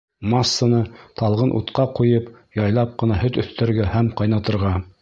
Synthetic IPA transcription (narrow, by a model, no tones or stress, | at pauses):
masːanɤt̪ɑlˠʁɤnʔṵt̪qɑqujɤpjɑjlˠɑp̚qɤ̆nɑhɵt̪ɵ̆θt̪ʰæ̆ɾɡæhæmqɑjnɑt̪ɤ̆ɾʁɑ